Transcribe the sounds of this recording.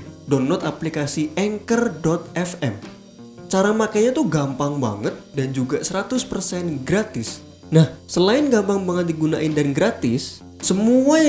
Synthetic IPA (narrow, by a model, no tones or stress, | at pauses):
dɔnlɔt̪aplikasiɛŋkərdɔt̪̚ɛfɛ̰m | t͡ʃaɾamakajɲat̪uɡampaŋba̰ŋət̪̚dand͡ʒuɡasəɾat̪ʊspərsɛnɡɾat̪ɪs | nahsəlaɪnɡampaŋbaŋət̪̚diɡunaʔɪndanɡɾat̪ɪsː | əmua